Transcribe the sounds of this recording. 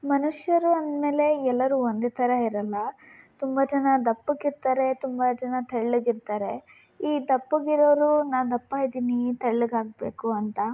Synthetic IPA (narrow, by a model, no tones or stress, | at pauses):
mɐnuʂjɐɾuɐnd̪me̞ːle̞ɛlːɐɾuːond̪et̪ʰɐɾɐiɾɐlːɐt̪umbɐd͡ʒɐnɐd̪ɐpːuɡiɾt̪aːɾe̞t̪umbɐd͡ʒɐnɐt̪ʰɐɽɭuɡiɾt̪aːɾe̞ | iːd̪ɐpːuɡiɾoːɾunaːwd̪ɐpːaːjd̪iːnit̪ʰɐɭluɡaːɡ̚be̞ːkuɐnt̪ɐ